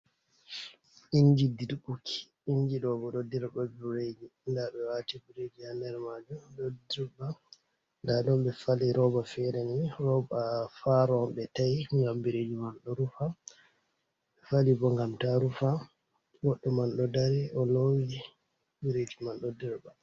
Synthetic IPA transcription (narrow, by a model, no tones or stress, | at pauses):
iɲd͡ʒididbukʰi̥ | iɲd͡ʒiɗɔɡɔɗɔdiɾbabuɾed͡ʒindaɓɛwatibuɾed͡ʒihandɛɾmad͡ʒuɗɔdiɾba | ndadɔmbɛfaliɾɔbafɛɾɛniɾɔbafaɾɔmbɛtajŋɡambiɾed͡ʒimalɗɔɾufa | ɓɛfalibɔŋɡamtaɾufa | ɡɔɗːɔmalɗɔdaɾɛɔlowi | biɾed͡ʒimalɗɔdɛɾba